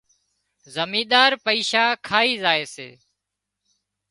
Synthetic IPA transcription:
zəmiːɗ̪aːɾpəiːʃaːkʰaːiːzaːeːsḛː

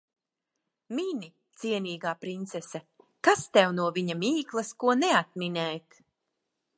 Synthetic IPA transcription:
minʲi | t̪siɛnʲiːɡaːpɾint̪sɛsɛkast̪ɛwnuɔviɲamiːklˠɐskuɔnɛat̪̚minɛːt̪

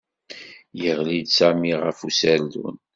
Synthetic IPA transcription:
jəʁlid̪sæmiʁəfusæld̪ṵn

